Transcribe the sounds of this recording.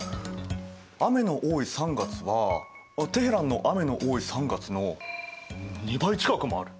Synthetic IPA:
ame̞no̞ʔoːisãŋɡat͡sɨβa | t̪e̞ɦeɾãnːo̞ʔame̞no̞ʔoːisãŋɡat͡sɨno̞ | ɲid̪ait͡ɕi̥kakɯ̟moaɾɯ̟

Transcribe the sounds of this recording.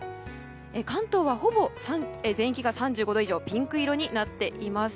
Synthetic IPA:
ekãnt̪o̞ːβaho̞bo̞sãezẽ̞ɰ̃ikʲiɡasãɲ̟d͡ʑɨːɡo̞d̪o̞iʑo̞ːpʲĩŋkɯ̟iɾo̞ɲ̟inat̪ːe̞ʔimasɨ̥

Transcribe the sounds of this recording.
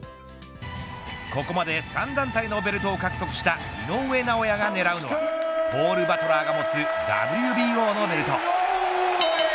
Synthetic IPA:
ko̞ko̞mad̪e̞sãnd̪ãnt̪aino̞be̞ɾɯ̟t̪o̞ːkakɯ̟̥t̪o̞kɯ̟ɕi̥t̪ainõ̞ɰ̃e̞ːnaojaɡane̞ɾaɯ̟no̞βa̰b̥o̞ːɾɯ̟bat̪o̞ɾaːɡamo̞t͡sɨd̪a̰bɯ̟ɾʲɯ̟bʲiːo̞ːno̞be̞ɾɯ̟t̪o̞̰

